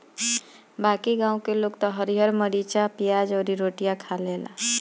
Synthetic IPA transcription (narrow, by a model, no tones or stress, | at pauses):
bakiɡãũkeloɡt̪ɔɦəɾiɦəɾməɽit͡ʃapijad͡ʒɔːɾiɾoʈijakʰalela̰